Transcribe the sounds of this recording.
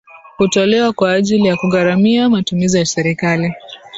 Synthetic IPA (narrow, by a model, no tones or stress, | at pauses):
hutɔlɛwakwaːʄilijakuɣaɾamiamatumizijasɛɾikali